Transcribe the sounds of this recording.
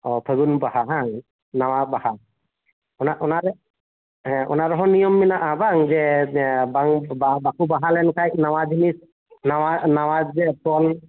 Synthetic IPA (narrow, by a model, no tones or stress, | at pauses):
ɔpʰəɡunbaɦaɦaŋ | nawabaha | ɔnaʔɔnaɾɛ | ɔ̰naɾɔɦɔnijɔmːinaʔabaŋzɛbaŋbabakubaɦalɛnkʰajnawad͡ʒinis | nawanawad͡ʒpɔl